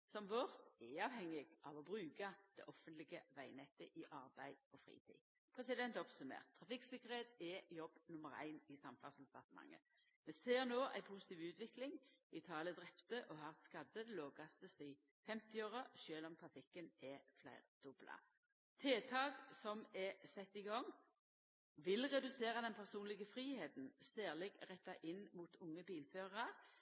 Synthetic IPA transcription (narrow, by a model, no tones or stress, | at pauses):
sɔmʋɔʁt̪ɛɑːʋhɛŋːɪɡ̥ʔɑ̰ʋɔbʁʉːkɑd̪̥ɛ̰ʔɔfənt̪lɪɡəʋæɪnɛt̪ːəʔɪʔɑʁbæɪd̪ɔfʁḭːt̪ʰḭː | pʰʁɛsɪd̪ɛnt̪ɔpsʉmḛːʁt̪ʰːʁɑfɪksɪkəʁeːt̪ɛjɔbːnʊməʁæ̰ɪnɪsɑmfɑnsd̪ɛpɑʁt̪əmɑ̰ŋːə̰ | mɛseːʁnoːʔæ̰ɪpʰusə̥t̪iːʋʉːt̪ʋɪklɪŋɪt̪ʰɑːləd̪ʁɛpt̪əʔɔhɑːʁt̪skɑd̪əd̪ɛloːɡɑst̪əsɪɪ | fɛmt̪ɪoːʁəʃøːlɔmt̪ʰʁɑfɪkːənʔɛflæɪʁd̪̥ʊblɑ̰ | t̪ʰeːt̪ʰɑːɡsɔmɛsɛt̪ːɪɡɔŋ | ʋɪlʁɛd̪ʉseːʁɑd̪ɛnpʰæʁsuːnlɪɡəfɾiːheːt̪n̩seːʁlɪɡʁɛt̪ːɑʔɪnmuːt̪ʰʊŋːəbiːlføːʁəɑʁ